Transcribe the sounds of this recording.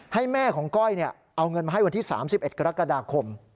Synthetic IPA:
ha˥˩jmɛː˥˩kʰɔː˩˦ŋkɔ˥˩jni˥˩ɐ | ʔa˧wŋɤ˧nmaː˧ɦa˥˩wa˧nt̪ʰiː˥˩sa̰ː˩˦msi˨˩p̚ʔe˨˩t̪̚ka˧ɾa˦˥ka˧daː˧kʰo˧m

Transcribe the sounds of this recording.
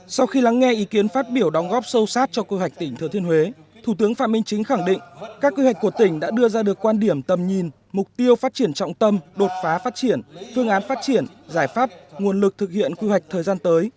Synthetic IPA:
sa˧wxi˧la˨˦ŋːɛ˧ʔi˨˦ki˨˦ənfaː˦˥t̚ɓi˧˩əwɗɔ˨˦wŋ͡mɣɔ˦˥p̚sə˧wsaː˦˥t̚t͡ɕɔ˧kwi˧ɦwa˨˩jk̟̚t̪ï˧˩ŋ̟t̪ʰɨ˨˧˩t̪ʰi˧ənhɦwe˨˦t̪ʰu˧˩t̪ɨ˨˦əŋfa̰ː˧˨mï˧ŋ̟t͡ɕï˨˦ŋ̟xa˧˩ŋɗḭ̈˧˨ŋ̟kaː˦˥kːwi˧hwa˨˩k̟ku˧˩ət̪ï˧˩ŋ̟ɗa̰ː˧˥ɗɨ˧əzaː˧ɗɨ˨˩əkːwaː˧nɗi˧˩əmt̪ə˨˩mɲi˨˩n | mʊ˨˩k͡p̚t̪i˧əwfaː˦˥t̚t͡ɕi˧˩ənt͡ɕɔ̰˧˨wŋ͡mt̪ə˧mɗo˨˩t̚faː˨˦faː˦˥t̚t͡ɕi˧˩ənfɨ˧əŋʔaː˨˦nfaː˦˥t̚t͡ɕi˧˩ənzaː˧˩jfaː˦˥p̚ŋu˨˩ənlɨ˨˩k̚t̪ʰɨ˨˩k̚hḭ˧˨ənkwi˧wa˨˩jk̚t̪ʰəː˨˩zaː˧nt̪əː˨˦j

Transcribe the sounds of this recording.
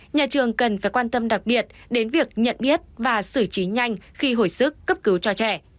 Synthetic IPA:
ɲaː˨˩t͡ɕɨ˨˩əŋkə˨˩nfaː˧˩jkwaː˧nt̪ə˧mɗa˨˩k̚ɓi˨˩ət̚ɗe˨˦nvi˨˩ək̚ɲə̰˧˨nɓi˦˥ət̚vaː˨˩sɨ˧˩t͡ɕi˨˦ɲa˧jŋ̟xi˧ɦo˧˩jsɨ˦˥kːə˦˥p̚kɨ˨˦wt͡ɕɔ˧t͡ɕɛ˧˩

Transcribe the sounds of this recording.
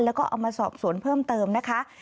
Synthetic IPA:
lɛː˦˥wkɔː˥˩ʔa̰˧wmaː˧sɔ̰ː˨˩p̚su˨˩˦ənpʰɤː˥˩mt̪ɤː˧mna˦˥kʰa˦˥

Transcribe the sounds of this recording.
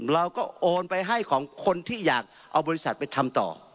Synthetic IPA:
ɾa˧wkɔː˥˩ʔoː˧npa˧jɦa˥˩jkʰɔː˩˦ŋkʰo˧nt̪ʰiː˥˩jaː˨˩k̚ | ʔa˧wbɔː˧ɾi˦˥sa˨˩t̪̚pa˧jt̪ʰa˧mt̪ɔ̰ː˨˩

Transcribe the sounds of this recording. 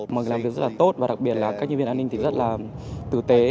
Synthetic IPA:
maː˨˩˨laː˨˩mvi˩k̚ztlaː˨˩t̪o˦˥t̚vaː˨˩ɗa˨˦˩k̚ɓi˨˩ət̚laː˨˩kaː˦˥k̚ɲə˧vənaː˧ï˧ŋt̪i˨˩zə˦˥t̚laː˨˩t̪ɨ˨˩t̪e˨˦

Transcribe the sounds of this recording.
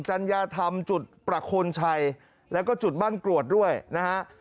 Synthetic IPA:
t͡ɕa˧njaː˧t̪ʰa˧mt͡ɕu˨˩t̪̚pɾa˨˧˩kʰoː˧nt͡ɕʰa˧j | lɛː˦˥wkɔː˥˩t͡ɕu˨˩t̪̚baː˥˩nkɾu˨˩ət̪̚du˥˩əjna˦˥ha˦˥ʔ

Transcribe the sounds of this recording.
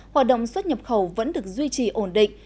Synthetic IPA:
haː˨˩t̚ɗo̰˧˨wŋ͡mswə˦˥t̚ɲə˨˩p̚xə˧˩wvə̰˧˥nɗɨ˨˩ək̚zwi˧t͡ɕi˨˩ʔo˧˩nɗḭ˧˨ŋ̟

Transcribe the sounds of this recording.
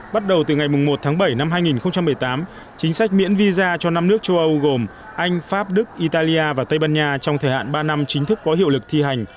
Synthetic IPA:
ɓa˦˥t̚ɗə˨˩wt̪ɨ˨˩ŋa˨˩jmʊ˨˩ŋ͡mmo˨˩t̚t̪ʰaː˨˦ŋɓə˧˩jna˧mɦaː˧jŋi˨˩nxə˧wŋ͡mt͡ɕa˧mːɨ˨˩əjt̪aː˨˦m | t͡ɕï˨˦ŋ̟sa˦˥k̟̚mḭ˧˥ənvi˧zaː˧t͡ɕɔ˧na˧mnɨ˦˥ək̚t͡ɕə˧wʔə˧wɣo˨˩m | ʔa˧jŋ̟faː˦˥p̚ɗɨ˦˥k̚ʔi˧t̪aː˧li˧ʔaː˧vaː˨˩t̪ə˧jɓaː˧nɲaː˧t͡ɕɔ˧wŋ͡mt̪ʰəː˨˩ha̰ː˧˨nɓaː˧na˧mt͡ɕï˨˦ŋ̟t̪ɨ˦˥kːɔ˨˦ɦḭ˧˨əwlɨ˨˩k̚t̪ʰi˧ɦa˨˩jŋ̟

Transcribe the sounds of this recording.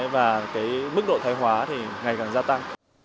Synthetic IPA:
jvaː˨˩kaː˨˦jmɨ˦˥k̚ɗo̰˧˨t̪ʰaː˨˦jɦwaː˨˦t̪ʰi˨˩ŋa˨˩jkaː˨˩nzaː˧t̪a˧ŋ

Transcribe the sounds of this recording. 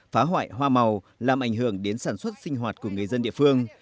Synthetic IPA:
faː˨˦ɦwa̰ː˧˨jɦwaː˧ma˨˩w | laː˨˩mʔa˧˩ŋ̟hɨ˧˩əŋɗe˨˦nsaː˧˩nswə˦˥t̚si˧ŋ̟ɦwaː˨˩t̚ku˧˩əŋɨ˨˩əjzə˧nɗḭ˧˨əfɨ˧əŋ

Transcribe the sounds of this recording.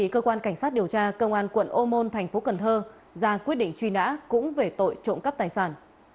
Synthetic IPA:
i˧˩kəː˧kwaː˧nka˧˩jŋ̟sa˦˥t̚ɗi˨˩əwt͡ɕaː˧kə˧wŋ͡mʔaː˧nkwə̰˧˨nʔo˧mo˧nt̪ʰa˨˩jŋ̟fo˨˦kə˨˩nt̪ʰəː˧ | zaː˧kwi˦˥ət̚ɗḭ˧˨ŋ̟t͡ɕwi˧na̰ː˧˥kʊ̰˧˥ŋ͡mve˨˩t̪o̰˧˨jt͡ɕo̰˧˨nkə˦˥p̚t̪aː˨˩jsaː˧˩n

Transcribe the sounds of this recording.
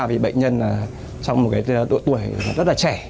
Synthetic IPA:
vi˨˩ɓə̰˧˨j̟ɲə˧naː˨˩ | t͡ɕɔ˧wŋ͡mmo˨˩kaː˨˦jɗ̪ṵ˧˨jt̪u˧˩əjlaː˨˩zə˦˥t̚laː˨˩t͡ɕɛ˧˩

